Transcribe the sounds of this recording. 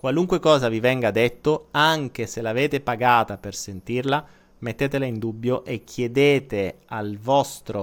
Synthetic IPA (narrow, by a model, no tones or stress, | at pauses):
kwaluŋkwekɔːzavivɛŋɡad̪et̪ːoaŋk̟eselaveːt̪epaɡaːt̪apersent̪irla | met̪ːeːt̪elaind̪ubːjoʔek̟ʰːjed̪eːt̪ealvɔst̪ɾo